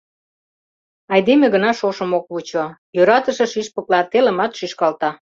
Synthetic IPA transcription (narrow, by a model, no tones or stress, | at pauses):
ɑjd̪emeɣənɑʃoʃə̆mok̚βut͡ɕojøɾɑt̪əʃĕʃiʃpuklɑt̪elə̆mɑt̪ʃyʃkɑlt̪ɑ